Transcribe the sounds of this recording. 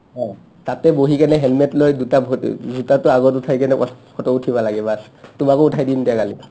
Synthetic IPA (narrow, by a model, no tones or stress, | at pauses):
ɔ | tatɛboɦikanɛɦɛlmɛtlojdutabʱzutatʊaɡɔtutʰajkɛnɛpɔkʰɔtɔutʰibalaɡɛbas | tʊmakoutʰajdindɛkali